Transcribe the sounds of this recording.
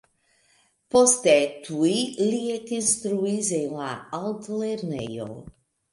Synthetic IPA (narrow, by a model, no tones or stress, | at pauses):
pɔst̪ɛt̪ʰuiliet̪inst̪ɾuizejlaald̪lɛɾnejo̰